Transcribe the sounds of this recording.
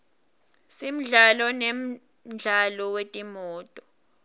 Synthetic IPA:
sim̩ɮalɔnem̩ | ɮʱalɔwetʼimuːtʼɔ̥

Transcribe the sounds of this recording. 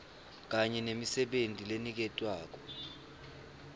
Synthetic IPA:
k̬aɲɛnemisɛɓentʼilenik̬ɛtʼwaːk̬ɔ̥

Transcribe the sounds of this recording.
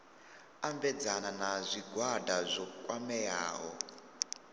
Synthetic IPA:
ambɛd͡zananazʷiɡʱwadazʷɔkʼwamɛja̰ːɦɔ̰

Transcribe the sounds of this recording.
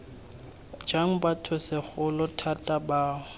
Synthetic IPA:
d͡ʒaŋ̩batʰʊsɪχʊlɔtʰatʼabaːʊ

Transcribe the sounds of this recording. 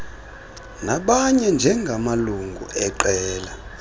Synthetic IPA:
naɓaɲɛnd͡ʒʱɛŋɡʱamaluŋɡʱṵʔɛǃɛːla

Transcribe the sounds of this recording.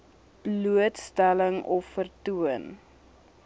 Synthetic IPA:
b̥luətstæləŋɔfːərtuən

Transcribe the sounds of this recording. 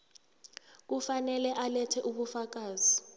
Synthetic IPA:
k̬ufanɛlɛʔalɛtʰɛʔuɓufak̬aːz̥i

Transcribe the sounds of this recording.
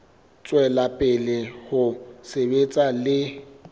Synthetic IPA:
t͡sʼwɛlapʼɪlɪhʊsebet͡sʼalɪ

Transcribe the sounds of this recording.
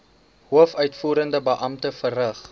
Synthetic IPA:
ɦuəfœɥtfuːɾəndəbəʔɐmtəfərəχ

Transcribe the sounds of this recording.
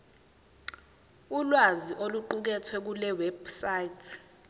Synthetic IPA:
ulwaziʔoluǃuk̬ɛtʰwɛk̬ulɛwɛbsaitʰ

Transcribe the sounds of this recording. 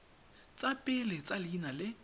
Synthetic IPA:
t͡sʼapʼɪlɪt͡sʼalinalɪ

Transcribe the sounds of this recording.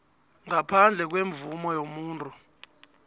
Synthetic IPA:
ŋapʰand͡ɮʱɛk̬weɱb̪vumɔjomuːntʼu

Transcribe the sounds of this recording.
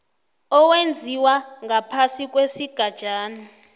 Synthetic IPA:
ɔwend͡zʱiwaŋʱapʰasik̬ʼwesiɡ̥ʱad̥ʒ̥ʱaːni

